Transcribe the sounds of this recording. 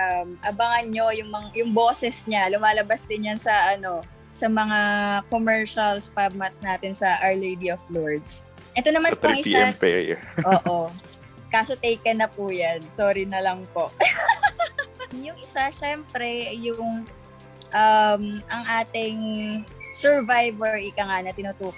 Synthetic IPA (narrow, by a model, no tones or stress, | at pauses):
ʔʔɐmʔɐbɐŋɐnɲo̞jʊŋmɐŋajʊŋboːsɛsɲalʊmaːlɐbasd̪ɪnjɐnsɐʔɐno̞ | sɐmɐŋakomɛɹʃɐlspab̚mɐt̪snaːt̪ɪnsɐʔɐɹlejd̪iʔofloɹd̪s | ʔɛt̪onɐmanŋɪaɛpḛj̰ʔoːʔo | kaːsot̪ɛjkɐnɐpujansoːɾinɐlɐŋpoʔ | jʊŋʔɪsaʃɛmpɾɛjʊŋ | ʔɐmʔɐŋʔaːt̪ɪŋ | sɛɹvajbɛɹɪkɐŋanɐt̪ɪnʊt̪uːk